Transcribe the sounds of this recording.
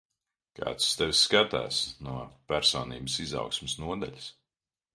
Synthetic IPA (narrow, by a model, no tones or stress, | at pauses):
ka̰ːt̪st̪ɛvsːkat̪a̰ːsnuɔpæɾsɔːniːbəsiza̰wksmɪsnuɔd̪a̰ʎʲis